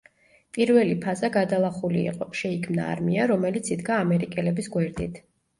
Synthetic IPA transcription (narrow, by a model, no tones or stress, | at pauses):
pʼiɾvɛlipʰazaɡad̪alˠaχulḭːqʼɔʃɛikʰmna̰ːɾmiaɾɔmɛlit̪sʰid̪ɡaːmɛɾikʼɛlɛbisɡwɛɾd̪it̪ʰ